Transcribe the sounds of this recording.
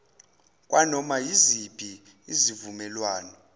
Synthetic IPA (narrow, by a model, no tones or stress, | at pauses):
kʼwʔanɔmajizib̥ʱʼi | izivumɛlwaːnɔ